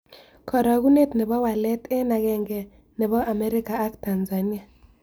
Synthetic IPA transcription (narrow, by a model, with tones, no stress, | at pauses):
kʰɔ˨ɾɔ˨ɣu˦ne˦tnɪ˨βɔ˦wa˨lɛ˦tɛ˦na˨ɡɛ˨ŋɡɛ˨ | nɪ˨βɔ˦ʔa˨mɛ˦ɾɪ˦ka˨a˦kta˨nza˨ni˦a˦˨